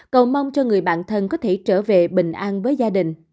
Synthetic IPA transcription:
kə˨˩wma˧wŋ͡mt͡ɕɔ˧ŋɨ˨˩əjɓa̰ː˧˨nt̪ʰə˧nkɔ˨˦t̪ʰe˧˩t͡ɕəː˧˩ve˨˩ɓï˨˩ŋ̟ʔaː˧nvəː˨˦jzaː˧ɗï˨˩ŋ̟

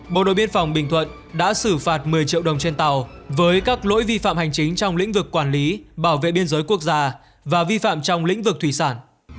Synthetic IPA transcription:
ɓo̰˧˨ɗo̰˧˨ɓi˧ənfɔ˨˩wŋ͡mɓï˧˩ŋ̟t̪ʰwə̰˧˨n | ɗa̰ː˧˥sɨ˧˩faː˨˩t̚mɨ˨˩əjt͡ɕḭ˧˨əwɗə˨˩wŋ͡mt͡ɕe˧nt̪a˨˩w | vəː˨˦jkaː˦˥k̚lo̰˧˥jvi˧fa̰ː˧˨mha˨˩jŋ̟t͡ɕï˨˦ŋ̟t͡ɕɔ˧wŋ͡mlḭ̈˧˥ŋ̟vɨ˨˩kːwaː˧˩nli˨˦ɓaː˧˩wvḛ˧˨ɓi˧ənzəː˨˦jku˦˥ək̚zaː˧ | vaː˨˩vi˧fa̰ː˧˨mt͡ɕɔ˧wŋ͡mlḭ̈˧˥ŋ̟vɨ˨˩k̚t̪ʰwi˧˩saː˧˩n

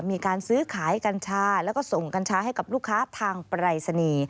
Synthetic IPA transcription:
miː˧kaː˧nsɯː˦˥kʰaː˩˦jka˧nt͡ɕʰaː˦˥lɛː˦˥wkɔː˥˩so˨˩ŋka˧nt͡ɕʰaː˦˥ha˥˩jka˨˩p̚luː˥˩kʰːaː˦˥t̪ʰaː˧ŋpɾaː˧jsa˧niː˧

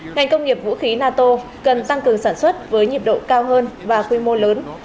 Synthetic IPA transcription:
ŋa˨˩jŋ̟kə˧wŋ͡mŋi˨˩əp̚vṵ˧˥xi˨˦naː˧t̪o˧ | kə˨˩nt̪a˧ŋkɨ˨˩əŋsaː˧˩nswə˦˥t̚vəː˨˦jɲi˨˩əp̚ɗo̰˧˨kaː˧wɦəː˧nvaː˨˩xwi˧mo˧ləː˨˦n

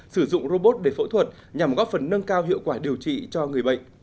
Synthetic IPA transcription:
sɨ˧˩zʊ̰˧˨ŋ͡mɾo˧ɓo˦˥t̚ɗe˧˩fə̰˧˥t̪ʰwə˨˩t̚ | ɲa˨˩mɣɔ˦˥fə˨˩nːə˧ŋkaː˧wɦḭ˧˨əwkwaː˧˩ɗi˨˩əwt͡ɕḭ˧˨t͡ɕɔ˧ŋɨ˨˩əjɓə̰˧˨jŋ

